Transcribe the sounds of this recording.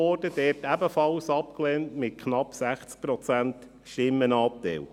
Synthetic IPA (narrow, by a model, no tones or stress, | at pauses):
ɔɾd̥əd̥ɛːɾtæbəfɑlsɑpklɛːntmɪt̚kʰnɑpsæχt͡sk̚pɾɔt͡sænt | ʃtɪmːənɑːp̚tɛ̰l